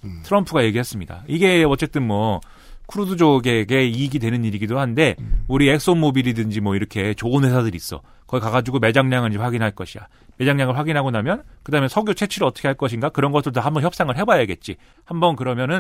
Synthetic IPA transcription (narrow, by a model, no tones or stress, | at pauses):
tʰɯɾʌmpʰuɡaje̞ɡiɦes͈ɯmɲida̰iɡe̞ʌtt͡ɕ͈e̞t͈ɯnmwʌ | kʰuɾudɯd͡ʑoɡe̞ɡe̞iɡidwe̞nɯniɾiɡidohande̞uɾiek̚s͈onmobiɾidɯnd͡ʑimwʌiɾʌkʰe̞t͡ɕonɦe̞sʰadɯɾis͈ʌ̰ | kʌikaɡad͡ʑuɡome̞d͡ʑaŋɲaŋɯnd͡ʑiɸwaɡinɦaɭk͈ʌɕʰida̰ | me̞d͡ʑaŋɲaŋɯɭɸwaɡinɦaɡonamjʌnkɯdaɦɯmensʰʌɡjot͡ɕʰe̞t͡ɕʰiɾɯʌt͈ʌkʰe̞aɭk͈ʌɕʰinɡakɯɾʌnɡʌs͈ʰɯɾotahambʌnçjʌp̚s͈aŋɯɭɦe̞bajaɡe̞t̚t͡ɕ͈i | hambʌnkɯɾʌmjʌnɯn